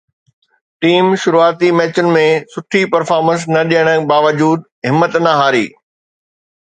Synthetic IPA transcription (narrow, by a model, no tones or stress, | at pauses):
ʈiːmʃʊɾuaːt̪imɛːt͡ɕʊnɪ̆mẽsʊʈʰipɐɾfaːɾmə̃ns̬nɐɗijəɽ̃əbaːʋəd͡ʑuːd̪ | ɦɪmːət̪nɐɦaːɾḭː